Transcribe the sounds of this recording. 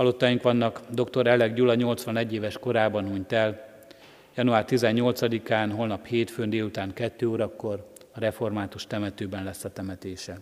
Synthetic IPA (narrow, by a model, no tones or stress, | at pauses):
hɒlot̪ːajiŋkʋɒnːɒkd̪o̞kt̪o̞ɾɛlɛɡɟulɒɲo̞lt̪sʋɒnɛɟːeːvɛʃko̞ɾaːbɒnuɲt̪ɛl | jɒnuaːrt̪izɛɲːo̞lt̪sɒd̪ikaːnɦo̞lnɒpheːt̪føːnd̪eːlut̪aːŋkɛt̪ːøːoːɾɒkːo̞r | ɒɾɛfo̞rmaːt̪uʃt̪ɛmɛt̪øːbɛnlɛsːɒt̪ɛmɛt̪eːʃɛ